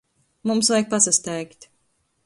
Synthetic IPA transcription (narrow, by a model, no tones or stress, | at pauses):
mumsvajk̚pasast̪ɛjkt̪ʲ